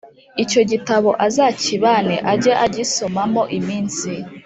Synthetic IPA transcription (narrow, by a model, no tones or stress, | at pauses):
ico̞ɟitaβo̞ʔazaciβaneʔaɟeʔaɟiso̞mamo̞ʔimiːnsi